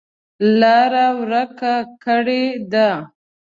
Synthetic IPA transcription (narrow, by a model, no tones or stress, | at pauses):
laɾawɾəkakəɽed̪a